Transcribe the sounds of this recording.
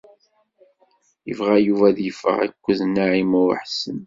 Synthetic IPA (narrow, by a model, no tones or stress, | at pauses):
jə̰vʁæjuvæðjəfə̰ʁæ̰kʷːəðnaʕimʊɾə̰ħsən